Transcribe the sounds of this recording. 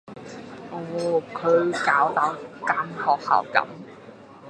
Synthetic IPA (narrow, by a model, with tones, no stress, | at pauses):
ʔɔː˨˩˥kʰɵ˨˧ɥkaː˨˥wt̪a˨˥wkaː˧nhɔː˨k̚hɐ̰ː˨˩wkɐ̰˨˥m